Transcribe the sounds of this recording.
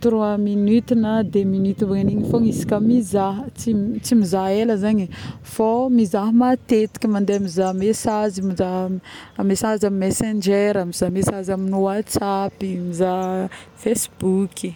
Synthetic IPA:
t̪uɾuaminyt̪inəd̪eminyt̪ubaŋaniɲifoŋisi̥kʲamizaɦt͡sit͡simizaeləzaɲi | fomizaɦmat̪et̪i̥kʲimand̪eamizamesazimiza | mesazamimesend͡ʒeɾamizamesazaminuwat͡sapimizafesbukʰi

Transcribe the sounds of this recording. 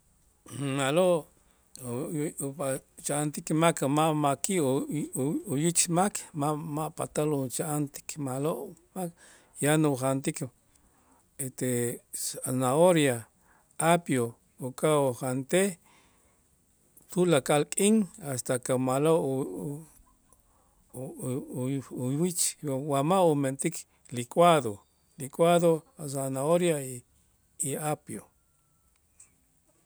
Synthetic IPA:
maloʔ | t͡ʃaant̪ikmakmaʔmakiʔ | ujit͡ʃmakʰmamaʔpa̰t̪alut͡ʃaʔant̪i̥kʰmaloʔmak | januχant̪ik | et̪e | anaoɾja | apjo | ukʼaoχant̪e | t̪ulakʼalkʼiŋast̪akamala | jwit͡ʃwamaument̪ik | likʼwaðo | likʼwaðoas̬anaoɾja | iapjo

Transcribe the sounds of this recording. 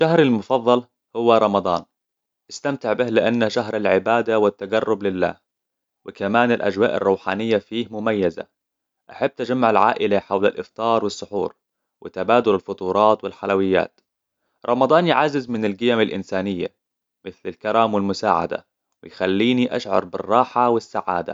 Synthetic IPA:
ʃaɦɾɪlmʊfɑðˤːɑl | hʊwːaɾˤɑmɑd̪ˤɑ̰ːn | ʔast̪amt̪ɪʕbɪhlɪʔanːaʃaɦɾˤalʕɪbaːd̪awɪt̪ːaɡarˤːʊblɪlːa̰ːh | wɪkamaːnɪlʔa̰d͡ʒwaːʔɪ̰rˤːuːħa̰ːnɪjːafiːhmʊmajːaza̰ | ʔaħabːt̪ad͡ʒamːaʕalʕa̰ːʔɪlaħawla̰lʔɪft̪ˤɑːɾˤwɪsˤːʊħṵːɾ | wʔɪt̪abaːd̪ʊlɪlfʊt̪ˤuːɾˤɑːt̪wɪlħalawɪjːa̰ːt̪ | ɾˤɑmɑd̪ˤɑːnjʕazːɪzmɪnɪlɡɪjamalʔɪnsaːnɪjːa̰ | mɪθlɪlkaɾaːmwɪlmʊsaːʕa̰d̪a̰ | wɪ̰jxalːiːniʔaʃʕɑ̰ɾˤbɪ̰rˤːɑːħawɪsːaʕa̰ːd̪a̰

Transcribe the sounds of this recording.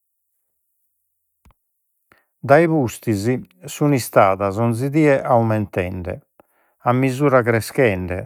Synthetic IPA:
d̪aiβust̪izisunist̪aːðazɔnziðiːɛʔaumɛnt̪ɛ̰ɳɖɛ̰ | amːizuːɾaɣɾɛskɛɳɖɛ̰

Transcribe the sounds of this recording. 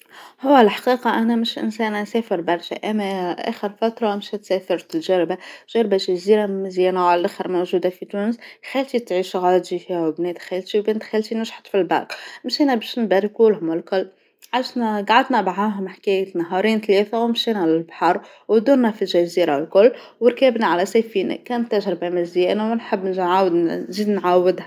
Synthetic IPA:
hʊwːælħḁqiːqɑʔænæmɪʃʔɪ̰nsæːnænsæːfəɾbɑɾˤʃæ̰ʔæmːæʔæ̰ːxəɾfæt̪ɾˤɑmʃæt̪sæːfɑɾˤt̪ɪlʒæɾbaʒ̥æɾbaʒæziːɾamɪzjiːnæwʕalʔæxɪɾmowʒuːd̪afit̪uːnəsxælt̪it̪ʕiːʃɣɑːd̪ifihwbneːd̪xælt̪iwbɪnd̪xælt̪inʊʒħt̪filbɑ̰qmʃiːnæbæːʃnbæɾikulɦʊmwɪlkʊlː | ʕaʃnɡaʕad̪næbaʕaɦʊmħkæjænɑɦɑːɾiːnt̪leːt̪æwmʃiːnælɪlbħɑɾˤ | wd̪uːnːæfilʒæziːɾalkʊlː | wəɾkæːbnaʕalæsefiːnæ̰kæːnt̪ːaʒɾɪbamɪzjæːnawnħɪbːnʕawd̪nziːd̪nʕawːɪd̪hæ

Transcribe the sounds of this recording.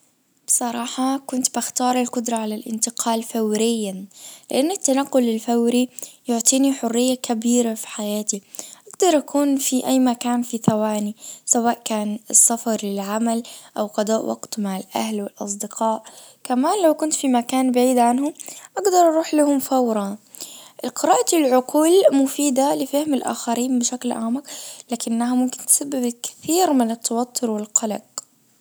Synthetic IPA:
b̥sˤɑɾˤɑːħɑkʊnt̪baxt̪ɑːɾˤalkʊd̪ɾˤɑʕalalʔɪ̰nt̪ɪqʰɑːlfawɾɪjːalɪʔanːɪt̪ːanaqːʊlɪlfawɾijʊʕt̪ˤiːniħʊrːɪjːakabiːɾafi̥ħajaːt̪iʔaɡd̪ɑɾˤʔakʰuːnfiʔajːmakaːnfiθawaːnisawaːʔkaːnɪsːafɑɾˤlɪlʕamalʔawqɑd̪ˤɑːʔwʔa̰ɡt̪maʕɪlʔa̰hlwɪlʔɑ̰s̬ˤd̪ɪqʰɑːʔ | kamaːnlawkʊnt̪fimakaːnbaʕiːd̪ʕanhʊmʔaɡd̪ɑɾˤʔɑɾˤuːħlahʊmfawɾˤɑ | ʔɪqɪɾaːʔat̪ɪlʕʊquːlmʊfiːd̪alɪfahmɪlʔa̰ːxaɾiːnbɪʃaklʕa̰ːmaqlaːkɪnːaɦamʊmkɪnt̪sabːɪbɪlkɪ̥θiːɾmɪnɪt̪ʰːɑwɑt̪ʰːʊɾwɪlqɑlɑ̰q

